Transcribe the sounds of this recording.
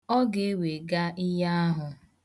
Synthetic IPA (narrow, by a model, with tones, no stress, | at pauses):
ɔ˦ɡe˨e˦we˨ɡa˦ʔɪ˦ja˦ɦʊ˨